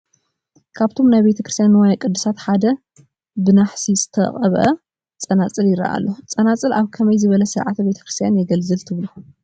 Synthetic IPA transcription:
kʰaβt̪ʰo̞mnajβe̞t̪ʰɐkɾɨst̪janwajkʼɨd̪ːɨsat̪ħad̪ɐ | bɨnaħsizɨ̥t̪ʰɐ̰χʼɐβʔɐ | t͡sʼɐnat͡sʼɨljɪɾɐ̰ʔa̰lːot͡sʼɐnat͡sʼɨlaβkʰɐmɐjzɨβɐlɐsɨɾʕat̪be̞t̪ʰɐ̥kɾist̪ʰjanjɛɡɐlzɨlt̪ʰɨβlu

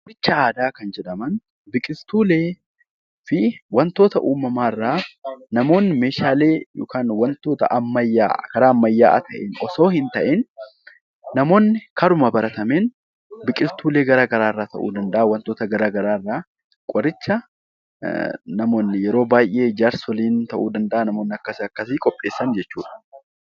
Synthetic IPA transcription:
kʼɾɪt͡ʃːɐaːd̪aːkɐnd͡ʒɛᶑɐmɐn | bɪkʼɪst̪uːle̞ː | fɪwɐnt̪oːt̪ɐʔuːmɐmaːrːaːnɐmo̞ːnːɪme̞ːʃaːle̞ːjo̰ːkaːnwɐnt̪o̞ːt̪ɐ̰ʔɐmːɐjːa̰ːkɐɾaːɐmːɐjːaːʔɐ̰t̪ʰɐʔenʔɔso̞ːhɪnt̪ɐʔɛnː | ɐmo̞ːnːɪkʰɐɾʊmɐbɐɾɐt̪ɐmeːn | bɪkʼɪlt̪uːle̞ːɡɐɾaːɡɐɾaːɪrːaːt̪ɐʔṵːd̪ɐnd̪ɐʔɐwɐnt̪oːt̪ɐɡɐɾaːɡɐɾaːrːaː | kʼɔɾɪt͡ʃːɐ | nɐmo̞ːnːɪjɛɾo̞ːbaːjʔe̞ːd͡ʒaːɾsɔliːnt̪ɐʔuːd̪ɐnd̪ɐʔɐnɐmo̞ːnːɪɐkːɐsɪɐkːɐsɪkʼɔpʼːe̞ːsːɐnd͡ʒɛt͡ʃːṵːᶑɐ̥

